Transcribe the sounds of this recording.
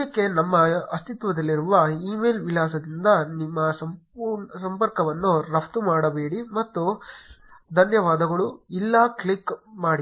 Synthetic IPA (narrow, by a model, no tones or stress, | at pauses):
ɐkːe̞nɐmːɐɐst̪ʰit̪ʋɐd̪ɐlːiɾuʋɐiːmeːlʋilaːs̬ɐd̪ind̪ɐnimːɐsɐmpuːɾɳɐsɐmpɐɾkɐʋɐnːuɾɐft̪umaːɽɐbe̞ːɽimɐt̪ːu | d̪ʱɐnjɐʋaːd̪ɐɡɐɭuilːɐːkɭikːmaːɽi